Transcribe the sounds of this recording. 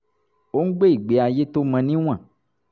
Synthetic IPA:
wo˦ŋ̩˦ɡ͡be˦i˨ɡ͡be˨a˨je˦t̪o˦mɛ̃˨nĩ˦w̃ã˦˨

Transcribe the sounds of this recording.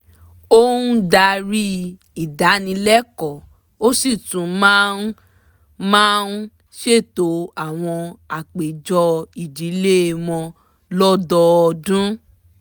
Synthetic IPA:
o˦ũ˦da˧ɾi˦ | i˨da˨˦nĩ˧lɛ˦kɔ˨ | o˦si˦˨tũ˨˦mã˦n˦ | mã˦n˦ | ʃe˦˨to˨˦a˦˨w̃ɔ̃˧a˨k͡pe˨d͡ʒɔ˧i˨d͡ʒi˨˦le˦˧mɔ̃˧ | lɔ˦dɔ˧dũ˦

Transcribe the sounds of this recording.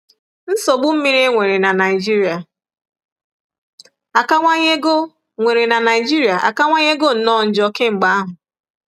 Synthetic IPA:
n̩˦so˨ɡ͡bʊ˦m̩˦mi˦ɾe˦ŋʷe˨ɾe˨na˨na˨ɪ˨d͡ʒi˦ɾi˨a˨ | a˨ka˦ŋʷa˦ɲe˦ɡo˦ | ŋʷe˨ɾe˨na˨na˨ɪ˨d͡ʒi˦ɾi˨a˨ʔa̰˨ka˦ŋʷa˦ɲe˦ɡo˦˨n̩˨nɔ˦˨n̩˨d͡ʒɔ˦ke˦ŋ͡m̩˨ɡ͡ba˦a˦ɦʊ˨

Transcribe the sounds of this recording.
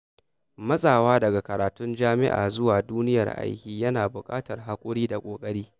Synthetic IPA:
mɐ˦sʼaː˨waː˦dɐ˨ɡa˨kɐ˨ɾaː˨tʊ˦nd͡ʒaː˦mɪ̰˦ʔa̰ː˨zʊ˦waː˨duː˦nɪ˦jɐ̰˨rʔa̰˦jkʲiː˦jɐ˦naː˨bʊ˨kʼa̰ː˦tɐ˨rɦa˦kʷʼʊ˦ɽiː˦da˨kʷʼoː˨kʼɐ˦ɽiː˦

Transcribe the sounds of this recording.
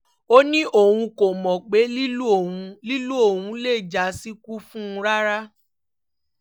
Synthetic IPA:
o˦nĩ˦ʔo˦˨wũ˧ko˨mɔ̃˨k͡pe˨˦li˦u˦o˨ũ˧li˦lu˦o˦˨hũ˧le˦˨d͡ʒa˨˦si˦ku˦fũ˦˧ɾa˦ɾa˦

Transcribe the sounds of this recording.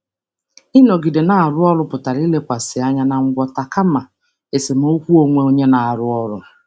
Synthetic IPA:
ɪ˦nɔ˨ɡi˨de˨na˨a˨ɾʊ˦ɔ˦ɾʊ˦pʊ˨ta˨ɾi˦le˦kʷa˨sɪ˨a˦ɲa˦na˨ŋ̩˦ɡʷɔ˨ta˨ka˦ma˨ | e˨se˨m˦o˦kʷu˦o˦ŋʷe˦o˦ɲe˦na˨a˨ɾʊ˦ɔ˦ɾʊ̰˦

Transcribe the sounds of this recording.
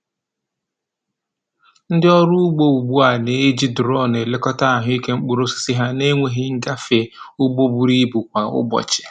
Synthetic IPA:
n̩˦dɪ˦ɔ˦ɾʊ˦ʊ˦ɡ͡bo˦bu˨bu˦a˨ne˨e˦d͡ʒi˦dʊ˨ɾɔ˦˨ne˨le˦kɔ˦ta˦a˨ɦʊ˦i˦ke˦ŋ͡m̩˦k͡pu˦ɾo˦si̥˦si˦ɦa˦ne˦ŋʷe˨ɦɪ˦ŋ̩˦ɡa˦fe˨u˦ɡ͡bo˦bu˨ɾi˦bu˨kʷa˨ʊ̰˦bɔ̰˨t͡ʃɪ̥˨

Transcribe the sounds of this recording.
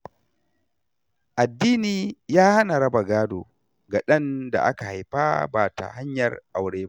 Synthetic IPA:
ʔa˨dːiː˦niː˨jaː˦ha˦na˨ɾɐ˦ba˨ɡaː˦doː˨ | ɡa˨ɗɐ˦nda̰˨ʔa̰˦ka˨ha˨jɸa̰ː˦baː˨ta̰˨ha˦ɲjɐ˨rʔa˨wɽeː˦

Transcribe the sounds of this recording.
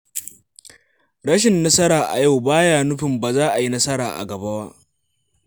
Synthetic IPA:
ɽɐ˦ʃ̬ɪ˨nːɐ˦sɐ˦ɾaː˨ʔa̰˨ja˦˨wbaː˦jaː˦nʊ˦ɸɪ˨mbaː˨zaː˦ʔa˨ji˦nɐ˦sɐ˦ɽaː˨ʔa̰˨ɡɐ˨ba˦ba˦ʔ

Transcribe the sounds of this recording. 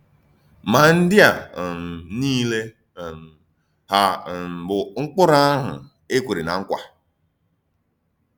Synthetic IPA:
ma˨n̩˦dɪ˦a˨m̩˨niː˦le˦˨ | ha˨bʊ˨ŋ̩˦k͡pʊ˦ɾa˦a˦ɦʊ̰˨ | e˦kʷe˨ɾɪ˨na˨ŋ̩˦kʷa̰˨

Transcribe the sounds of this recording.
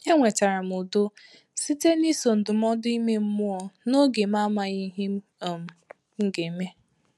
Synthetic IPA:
ɲe˦ŋʷe˨ta˨ɾa˨m˨ʊ˨do˦ | si˦te˦ni˦so˨n̩˨dʊ˨m̩˦ɔ˦di˦me˦m̩˦mʊ˦ɔ˨no˦ɡe˨m̩˦a˦ma˨ɲi˦ɦi˦m˦˨m̩˨ | ŋ̩˦ɡe˨me˦

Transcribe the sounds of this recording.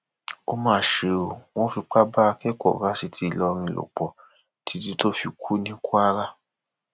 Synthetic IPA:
o˦mãː˦˨ʃe˧o˨w̃ɔ̃˦fi˧k͡pa˦ba˦˧kɛ˦kɔ̰˨ɾa˦si˧tʰi˧˦˧lɔ˧ɾ̃ĩ˧˨lo̰˨k͡pɔ˨ | tʰi˨˧˦di˦to˦fi˧kʰu˦nĩ˦ku˦a˦ɾa˦

